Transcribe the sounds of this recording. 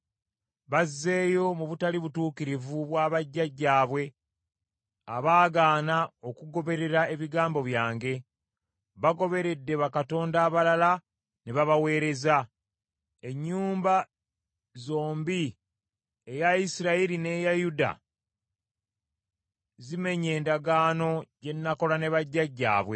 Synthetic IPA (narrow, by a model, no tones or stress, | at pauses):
βazːe̞ːjo̞muβutaliβutuːkiɾivuβwaːβaɟːaɟːaːβwe̞ | aβaːɡaːnao̞kuɡo̞βe̞ɾe̞ɾae̞βiɡaːmbo̞βjaːŋɡe̞ | βaɡo̞βe̞ɾe̞dːe̞βakato̞ːndaːβalala | neβaβawe̞ːɾe̞za | e̞ɲːuːmba | zo̞ːmbi | ejaisiɾaiɾine̞jajuda̰ | zime̞ɲe̞ːndaɡaːno̞je̞nːako̞lane̞βaɟːaɟːa̰ːβwe̞